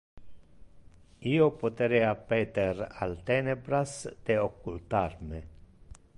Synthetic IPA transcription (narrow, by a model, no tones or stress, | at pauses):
iːopot̪ɾɛapɛːt̪eɾa̰lt̪ɛːnebɾasd̪eokːult̪arme